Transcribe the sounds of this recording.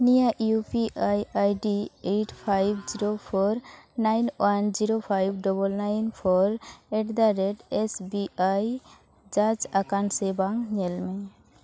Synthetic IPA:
nijaʔjupiʔajajɖieʈpʰajb̚d͡ʒiɾopʰɔɾnajnwand͡ʒiɾopʰajbɖɔbɔlnajnpʰɔɾeʈd̪aɾeɖesbiaj | d͡ʒad͡ʒakansebaŋɲɛlme

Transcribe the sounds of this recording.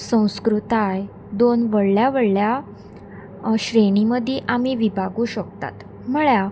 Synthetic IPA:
sə̃w̃skɾut̪aj | d̪onʋəɽljaʋəɭlja | ɕɾeɽ̃iməd̪ʱiʔamiʋibʱaɡũːɕəkt̪a̰t̪ | m̤əɭja

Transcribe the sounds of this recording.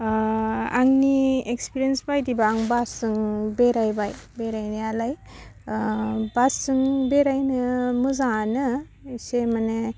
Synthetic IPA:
aŋniekspiɾiensbajdibaːŋbasɯŋbeɾajbajbeɾajnɯalaj | basɯŋbeɾajnɯmɯzanɯ | semane

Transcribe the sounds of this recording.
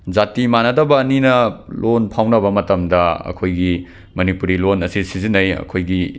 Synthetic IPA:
d͡ʒatimanɐdɐbɐːninɐlʔonpʰawnɐbɐmɐtɐmdɐɐ̰kʰojɡi | mɐnipuɾilonɐsisizinɐjɐ̰kʰojɡi

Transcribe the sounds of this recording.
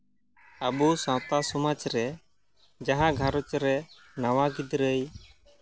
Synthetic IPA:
əbusãt̪asɔmat͡ʃɾɛ | d͡ʒaɦãɡʱaɾɔt͡ʃɾɛ | nawaɡid̪ɾəj

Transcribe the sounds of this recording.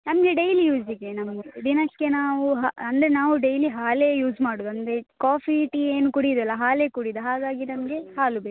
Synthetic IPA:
nɐmɐɡe̞ɖejlijuːd͡ʒd̪ikːenɐmɐɡed̪inɐkːe̞naːʋuɦaɐnd̪ɐɾenaːʋuɖejliɦaːlejuːd͡ʒmaːɽuːd̪uɐnd̪ɾekaːpʰiʈieːnukuɽid̪ɐlːɐɦaːleːkuɽid̪uɦaːɡaːɡinɐmɐɡe̞ɦaːlube

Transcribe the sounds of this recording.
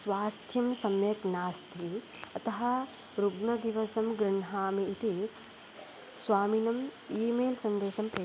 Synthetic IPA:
sʋaːst̪ʰjɐmsɐmjɐknaːst̪ʰi | ɐt̪ɐɦɐ | ɾuɡɳɐd̪iʋɐsɐmɡɾɪɳɦaːmiːt̪i | sʋaːminɐmiːmeːlsɐnd̪eːʃɐmpɾeː

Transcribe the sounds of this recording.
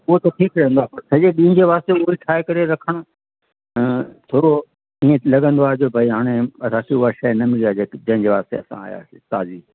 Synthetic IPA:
ʊɦot̪ɐʈʰiːkɾɐɦə̃nd̪oaːpɐɾsɐd͡ʑeɗĩːɪ̃d͡ʑeʋaːst̪eʊɦikʰaːekɐɾeɾɐkʰəɽ̃o | t̪ʰoːɾo | iːẽlɐɠə̃nd̪oaːɦed͡ʑoːbʱɐiɦaːɽ̃eɐɾaːsiʊaʃɐnɐmɪliaːd͡ʑeːd͡ʑɐ̃ɦɪ̃ɲd͡ʑeʋaːst̪ḛɐsã̰a̰ːja̰ːt̪aːziː

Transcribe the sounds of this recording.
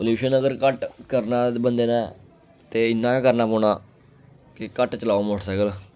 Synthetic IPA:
əluːʃənəɡəɾkəʈkəɾnãːbənd̪eːnãː | t̪eːɪnːãːkəɾnaːpɔːɳ̃aː | kɪkəʈt͡ʃəlaːomʊʈsəɡəl

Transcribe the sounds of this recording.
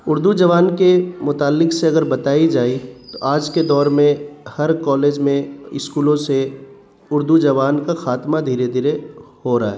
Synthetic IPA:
ʊɾd̪ud͡ʒɐʋaːnkemʊt̪aːlːɪkseɐɡəɾbɐt̪aːid͡ʒaːit̪oʔaːd͡ʒked̪ɔːɾmẽhɐɾkɔːleːd͡ʒmẽɪskuːlõse | ʊɾd̪ud͡ʒɐʋaːnkaxaːt̪mad̪ʱiːɾed̪ʱiːɾehoɾaa̰ɦɛː

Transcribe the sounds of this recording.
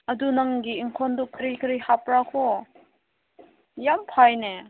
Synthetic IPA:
ɐdunaŋɡiːŋkʰɔndukʰːəɾikʰəɾihapɾakʰɔ | jampʰajne

